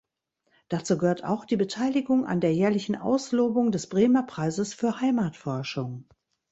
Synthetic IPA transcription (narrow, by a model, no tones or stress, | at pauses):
d̥at͡suːɡəhøːɐta̰ʊxd̥iːbətʰaɪlɪɡʊŋa̰ndeːɐjɛːɐlɪçn̩ʔa̰ʊsloːbʊŋdɛsb̥ʁeːmɐpʁ̥aɪzəsfyːɐhaɪmaːtfɔɐʃʊŋ